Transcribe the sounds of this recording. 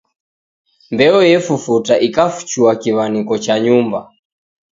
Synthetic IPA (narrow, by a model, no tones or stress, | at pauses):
mbɛɔjɛfufutaʔikafu̥t͡ʃuwakiβanikɔt͡ʃaɲumba